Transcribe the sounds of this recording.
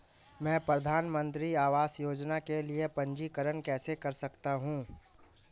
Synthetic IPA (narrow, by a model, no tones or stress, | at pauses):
mɛ̃ːpɾɐd̪ʱaːnmə̃nt̪ɾiaːʋaːsjoːd͡ʒnakeliepɐ̃ɲd͡ʒikəɾənkɛːsekɐɾsɐkt̪aɦũː